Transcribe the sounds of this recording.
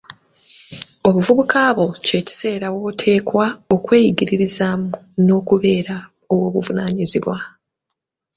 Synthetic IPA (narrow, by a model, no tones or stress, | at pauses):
o̞βuvuβukaːβo̞ce̞ːci̥se̞ːɾawo̞ːtʰe̞ːkwao̞kwe̞ːjiɟiɾiɾizaːmu | no̞ːkuβe̞ːɾa | o̞wo̞ːβuvunaːɲiziβwa